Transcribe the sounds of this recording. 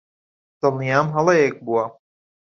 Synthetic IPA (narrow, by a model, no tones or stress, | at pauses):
d̪̥ɨlˠnijaːmɦɐlˠɐjek̚buwa